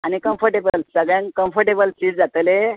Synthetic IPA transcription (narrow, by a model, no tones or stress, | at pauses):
añikəmfʰəɾʈebəlsəɡɭjãŋkəmfəɾʈebəlsiːd͡zd͡zat̪le